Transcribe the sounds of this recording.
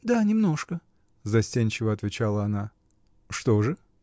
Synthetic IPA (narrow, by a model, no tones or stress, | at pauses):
d̪anʲɪmno̞ʂkə | zɐsʲtʲenʲt͡ɕɪvəɐt̪vʲɪt͡ɕalˠəɐna | ʂt̪oʐɨ